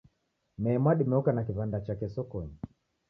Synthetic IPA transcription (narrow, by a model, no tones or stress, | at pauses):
mɛːmaɗimɛɔkanakivandat͡ʃakɛsɔkɔɲi